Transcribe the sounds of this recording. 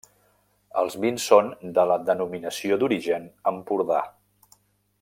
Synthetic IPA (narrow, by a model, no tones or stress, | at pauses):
ə̰lˠzβinsːond̪ələd̪ənuminəsiod̪uɾiʒənəmpuɾða̰